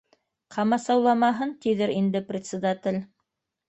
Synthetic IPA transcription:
qʰɑmɑsɑwlˠɑmɑɦɤnt̪iðɘɾind̪ɘprʲɪt̪ʲsʲɪd̪at̪ʲɘlʲ

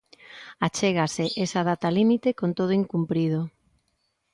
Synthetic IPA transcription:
at͡ʃeɣaseʔesaðat̪alimit̪ekont̪oð̞oiŋkumpɾið̞o

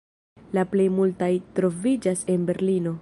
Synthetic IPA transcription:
laple̞jmultajtɾo̞vid͡ʒase̞nbe̞ɾlino̞

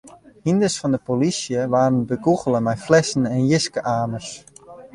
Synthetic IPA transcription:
hindəsfɔndəpolisjəʋaːɾənbəɡuɣələmɛjflɛsən̩ɛnjɪskəʔaːmərs

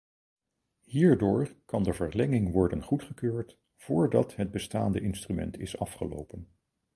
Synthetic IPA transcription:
hiːɹdʊːɹkɑndəvəɹlɛŋɪŋʋɔɹdənχutχəkøːɹt | v̥ʊːɹdɑtɦəd̚bəstaːndəʔɪnstrymɛ̰ntʰɪsɑfχəlo̰wpən

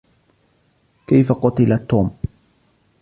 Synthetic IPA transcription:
kejfaqɔt̪ilat̪om

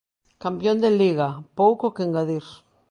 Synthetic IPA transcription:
kampjond̪eliɣapowkokeŋɡaðiɾ

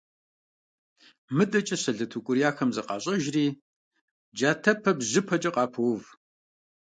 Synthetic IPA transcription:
mɨdʼɐt͡ʃʼɐɕɐɮɐtʰukʷʼʊɾijaːxɐmzɐqɑ̰ːɕʼɐʒriː | d͡ʒaːtʰɐpʰɐbʑɪpʰɐt͡ʃʼɐqɑːpʰɐwv

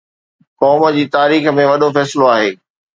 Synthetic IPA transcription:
kɔːmə̆d͡ʑiːt̪aːɾiːxmẽʋɐɗofɛːsɪloaːɦeː

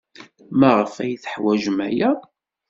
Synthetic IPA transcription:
mæʁəfæjθə̥ħwæʒmæjæ

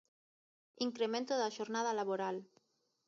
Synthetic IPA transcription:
iŋkɾemẽnt̪oðaʃoɾnaðalaβoɾal

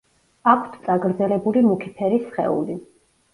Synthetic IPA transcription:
akʷʰt̪ʰt̪sʼaɡɾd̪zɛlɛbulimukʰipʰɛɾisχɛ̰ṵli

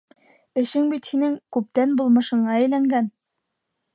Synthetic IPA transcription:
ɘ̆ʃɘŋbit̪hinɘŋkʉp̚t̪ænbulˠmɤ̆ʃɤ̆ɴɑɘ̆jlæŋɡæn

